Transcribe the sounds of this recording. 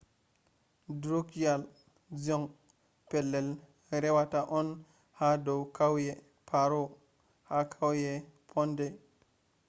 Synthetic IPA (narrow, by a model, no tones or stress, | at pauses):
dɾukjal | d͡ʒɔŋ | pɛlːɛl | ɾɛwataʔɔn | hadowkʰawjɛ | pʰaɾo | hakʰawjɛpʰɔndɛ